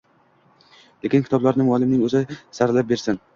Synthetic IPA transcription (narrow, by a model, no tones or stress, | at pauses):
lekʲɪnkʰʲɪ̥t̪ɒblaɾnɪmɒlˠɪmnɪŋɵzɪsaɾlap̚be̞ɾsɪn